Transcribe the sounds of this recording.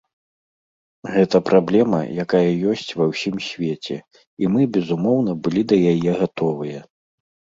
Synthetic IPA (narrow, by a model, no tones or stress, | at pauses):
ɣɛt̪ɐpɾʔablʲɛmɐ̰jakajɐjɔsʲt͡sʲvɐwsʲimsʲvʲet͡sʲɛ̰ | imɨbʲɛzumɔwnɐbɨlʲid̪ɐjajɛɣat̪ɔvɨjɐ